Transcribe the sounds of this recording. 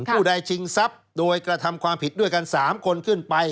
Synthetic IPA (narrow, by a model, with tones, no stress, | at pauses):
pʰuː˥˩da˧jt͡ɕʰi˧ŋsa˦˥p̚ | doː˧jkɾa˧t̪ʰa˧mkʰwaː˧mpʰi˨˩t̪̚du˥˩əjka˧nsaː˩˦mkʰo˧nkʰɯ˥˩npa˧j